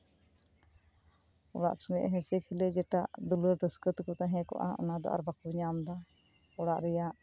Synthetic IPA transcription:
ɔɽa̰ʔsɔŋɛ̰ʔɦɛ̃sɛkʰilɛd͡ʒɛʈaʔd̪uləɾɖəskət̪kɔt̪aɦɛ̃kɔ̰ʔa̰ɔ̰nad̪ɔ̰ʔa̰ɾbakuɲamd̪a | ɔɽaʔɾɛjaʔ

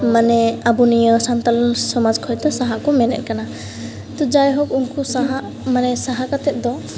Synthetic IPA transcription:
manɛabunijəsant̪alɔnsɔmad͡ʒkʰɔjt̪ɔsaɦaʔkɔmɛnɛ̰t̪̚kana | t̪ɔd͡ʒajɦɔkunkusaɦaʔ | manɛsaɦakat̪ɛt̪̚d̪ɔ

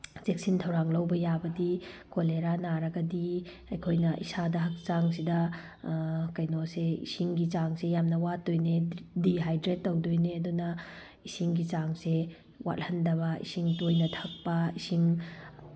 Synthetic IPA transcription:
d͡ʒek̚sintʰɐwɾaŋlɐwbɐjabɐdikoleɾanaɾɐɡɐdi | ɐjkʰojnɐʔḭsadɐɦɐk̚t͡ʃaŋs̬idɐ | kɐjnoseḭsiŋɡit͡ʃaŋsejamnɐwatojnediɦajdɾetːɐwdojneɐdunɐ | isiŋɡit͡ʃaŋse | wa̰t̚hɐndɐβɐḭsiŋtojnɐtʰɐk̚pɐisiŋ

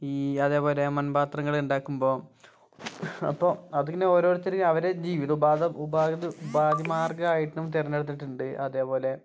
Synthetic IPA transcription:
iːɐðe̞ːpo̞ːle̞mɐnbaːt̪rɐŋːɐɭuɳɖaːkːumbo̞ː | ɐ̰pːoːɐðuŋɡɐnːeo̞ːɾoːɾit̪ːeɾiɐʋɐɾe̞d͡ʑiːʋiðɐubaːd̪ɐubaːɡɐðubaːd̪jɐmaːrɡɐaːjiʈːnumt̪erɐɲːeɽut̪̬ːiʈːuɳɖɨʔɐðe̞ːpo̞ːle̞

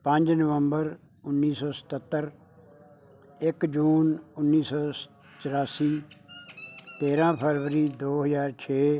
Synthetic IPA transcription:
pə̃ɲd͡ʒnəʋə̃mbəɾ | ʊnːiːsɔːsə̥t̪ət̪ːəɾ | ɪkd͡ʒuːnʊnːiːsɔː | t͡ʃəɾaːsiː | t̪eːɾãːpʰəɾʋəɾiːd̪oːɦəzaːɾt͡ʃʰeː

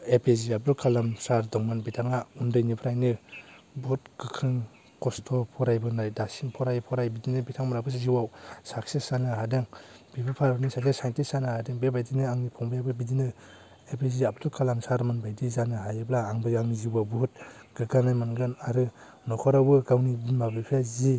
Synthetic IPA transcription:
epʰeziab̚ɾukʰalamsaɾdɔŋmanbitʰaŋaundɯjnipʰɾajnɯbuhut̚ɡ̥ɯkʰɾɯŋ | kɔstʰɔpʰɔɾajbɯnajdasiŋpʰɔɾajpʰɔɾajbidinɯbitʰaŋmaɾabɯsziwawsaksesanɯɦadɯŋb̥ibapʰaɾbɯnisaksesajntisanɯhadɯŋbebajdinɯaŋnipʰɔŋbajabɯbidinɯ | ebʰiziap̚tʰukʰalaŋsaɾmɯnbajdizanɯɦajɯblaːŋbɯjaŋzibabuɦut̚ɡ̥ɯɡanajmanɡɯnaɾɯ | nɔkʰɔɾawbɯɡawnibimabɯpʰjazi

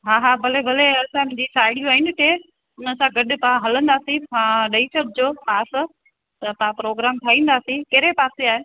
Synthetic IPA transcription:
ɦaːɦabʱɐlebʱɐleɐsãmʊ̃ːɲd͡ʑisaːɪɽijũaːɦinɪkeː | ʊnəsãɡɐɗʊ̆paãɦɐlə̃nd̪aːsĩãɗɐisɐʈ̚d͡ʑoːpaːs | t̪ɐpaãpɾoːɡɾaːmt̪ʰaːĩːn̆d̪aːsĩkeɾepaːseaːɦeː

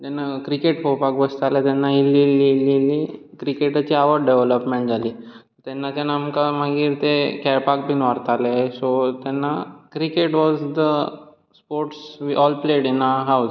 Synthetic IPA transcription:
t̪anːakɾikeʈpopakʋəst̪alet̪ɛnːaɦilːilːilːili | kɾikeʈat͡ɕiaʋəɽɖeʋləpmẽɳʈd͡zʱaliːt̪t̪ɛnːat̪anamkam̤aɡiːɾt̪ekɛɾpak̚binʋaɾt̪alesot̪janːakɾikeʈʋɔzd̪ə | spoɾʈsʋiʔɔlpleɖinaɦawz

